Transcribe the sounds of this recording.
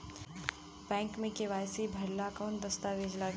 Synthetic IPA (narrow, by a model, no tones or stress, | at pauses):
bɛ̃ːŋkmẽkeʋaːjsibʱɐɾlakɔːnd̪ɐst̪aʋeːd͡ʒlaɡ